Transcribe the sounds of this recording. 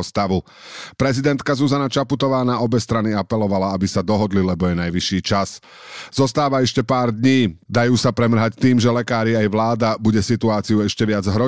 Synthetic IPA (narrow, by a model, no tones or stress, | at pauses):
st̪aʋu | pɾɛzid̪ɛnt̪kazuzanat͡ʃaput̪ɔʋaːnaʔɔbɛst̪ɾaniapɛlɔʋalaabisad̪ɔɦɔd̪lilɛbɔjɛnajʋiʃiːt͡ʃas | zɔst̪aːʋaɛʃcɛpaːɾd̪ɲiːd̪ajuːsapɾɛmɾ̩ɦact̪iːmʒɛlɛkaːɾiajʋlaːd̪abuɟɛsit̪uaːt͡siuɛʃcɛʋɪad͡zɦɾɔ